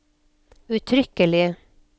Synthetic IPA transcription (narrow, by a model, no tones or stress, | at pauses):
ʉt̪ʰɾʏkəlɪ